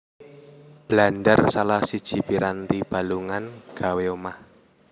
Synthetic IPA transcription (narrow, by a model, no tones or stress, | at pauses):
b̥land̪ərsalahsid̥ʒ̥i̤piɾant̪ib̥a̤luŋanɡ̥a̤weomah